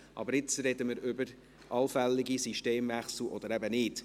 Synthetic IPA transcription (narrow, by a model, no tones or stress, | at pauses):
ʔɑ̰bəɾɪt͡sɾɛd̪əməɾʏbəɾ | ʔɑlfɛlːiɡisiʃteːmvæχsl̩ɔd̥̪əɾɛbənɪːd̥